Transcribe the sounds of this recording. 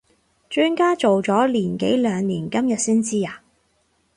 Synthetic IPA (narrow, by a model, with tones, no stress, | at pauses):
t͡ʃyː˥˧nkaː˥t͡so˨wt͡sɔː˨˥liː˨˩nke˨˥jlœː˨˧ŋniː˨˩nkɐ˥mjɐ˨t̚siː˥nt͡siː˥aː˨˩